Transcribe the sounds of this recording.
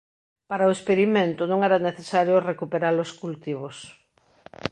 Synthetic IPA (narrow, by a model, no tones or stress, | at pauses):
paɾaoespeɾimẽnt̪ʊnõŋɛɾaneθesaɾjorekupeɾaɾloskult̪iβos